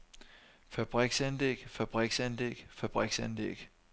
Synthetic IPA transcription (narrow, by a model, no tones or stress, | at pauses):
fæb̥ʁiɡ̥sænleɡ̥fæb̥ʁiɡ̥sænlḛɡ̥fæb̥ʁiɡ̥sænlḛɡ̥